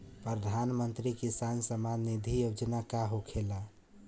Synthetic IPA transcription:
pɾəd̪ʱanmənt̪ɾikisansəmanːid̪ʱijod͡ʒnakaɦokʰela

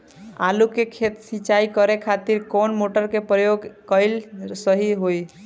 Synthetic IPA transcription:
a̰lukekʰet̪sĩt͡ʃaikəɾekʰat̪iɾkɔnmoʈəɾkepɾəjoɡkəɪlsəɦiɦoj

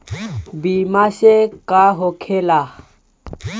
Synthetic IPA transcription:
bimaɕekaɦokʰela

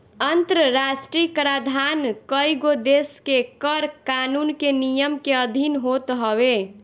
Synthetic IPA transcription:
ənt̪ɾəɾasʈɾikɾad̪ʱankəjɡod̪eskekəɾkanunkenijəmkeəd̪ʱinɦot̪ɦəbe

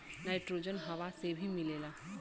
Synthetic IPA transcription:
najʈɾod͡ʒɔnɦaʋasebʱimilela

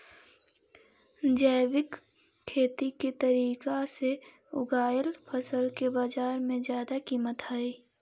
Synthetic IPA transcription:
d͡ʒəɪwɪkʰː | eːt̪iket̪əɾiːkase | ʊ̰ɡaːjəlpʰəsəlkebaːd͡ʒaːɾmẽzjaːd̪akiːmət̪ɦaːiː

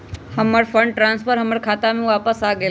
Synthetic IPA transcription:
hɐməɾfʰə̃ɳɖʈɾãːnsfʰəɾɦɐməɾkʰaːt̪amẽʋaːpəsaːɡəe

